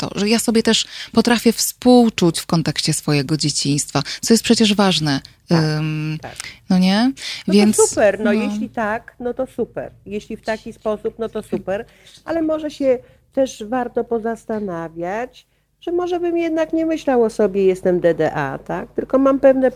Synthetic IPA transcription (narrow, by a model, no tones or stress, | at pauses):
t̪ɔ̰ʐɛjasɔbʲjɛt̪ɛʂpɔt̪ɾafʲjɛfspuwt͡ʂut͡ɕfkɔnt̪ɛkɕt͡ɕɛsfɔjɛɡɔd͡ʑet͡ɕiɲ̃st̪fat̪sɔjɛst̪pʂɛt͡ɕɛʐvaʐnɛ | nɔɲɛvvʲjɛnt̪supɛɾnɔjeɕlʲit̪aknɔt̪ɔsupɛ̰ɾjeɕlʲift̪akʲispɔsupnɔt̪ɔsupɛɾ | alɛmɔʐɛɕɛ | t̪ɛʂvaɾt̪ɔpɔzast̪anavʲjat͡ɕ | ʐ̥ɛmɔʐɛbɘmjɛd̪nakɲɛmɘɕlawɔsɔbʲjɛjɛst̪ɛmd̪ɛd̪ɛʔa̰t̪ak̚t̪ɘlkɔmampɛvnɛ